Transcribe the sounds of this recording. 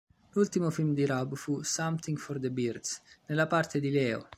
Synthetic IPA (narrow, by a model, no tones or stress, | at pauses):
lult̪imofilmd̪iɾabfusamt̪iŋɡfɔɾd̪əbiɾd̪snelapaɾt̪ed̪ilɛːo̰